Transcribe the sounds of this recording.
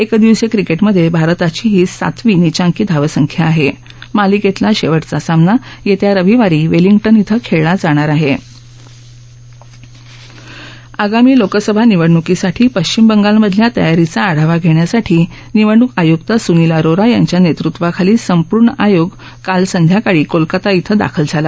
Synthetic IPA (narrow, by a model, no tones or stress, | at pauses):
ekd̪iʋsekɾikeʈməd̪ʱjebʱaɾt̪at͡ɕiːɦiːsa̰t̪ʋiːnit͡ɕãŋkiːd̪ʱaʋəsəŋkʰjaːɦe | maliket̪laɕeʋəʈt͡sasamnajet̪jaɾəʋiʋaɾiːʋeliŋɡʈənit̪ʰəkʰeɭɭad͡zaɽ̃aɾaɦe | aɡamiːlokəsəbʱaniʋəɽɳukisaʈʰiːpəɕt͡ɕimbəŋɡalməd̪ʱljat̪ə̰jaɾit͡saːɽ̤aʋaɡʱeɳjasaʈʰiː | niʋəɽ̃ukajukt̪asunilaɾoɾajaɲt͡ɕjanet̪ɾut̪ʋakʰaliːsəmpuɾɳajoɡ | kalsənd̪ʱjakaɽiːkolkat̪ait̪ʰəd̪a̰kʰəld͡zʱala